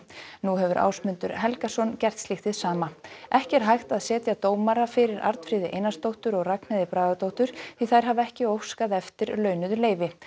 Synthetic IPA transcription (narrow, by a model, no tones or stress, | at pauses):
nuɦɛvʏɾʔa̰ːwsmʏnt̪ʏɾ̥ɦɛlkasɔncɛr̥t̪slɪxt̪ɪðsaːmaɛhcɛɾ̥ɦajxt̪aðsɛːt̪jat̪oːwmaɾafɪɾɪɾʔa̰ɾt̪fɾɪːðɪʔḛjnast̪owht̪ʏɾɔɣraknaðɪpɾaːðat̪owht̪ʏɾ̥θiθajɾ̥ɦavɛhcɪowfskaðɛft̪ɪɾlœːɥnʏðʏleːjvɪ